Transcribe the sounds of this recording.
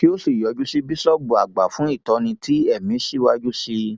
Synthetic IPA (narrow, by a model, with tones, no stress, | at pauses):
ki˦o˦si˦˨jɔ˨˧d͡ʒu˦si˦bi˦sɔ˦bu˨a˨ɡ͡ba˨fũ˨˦i˦˨tɔ˧nĩ˧tʰi˦ɛ˦˨mĩ˨˦ʃi˦˨wa˦d͡ʒu˦ʃi˦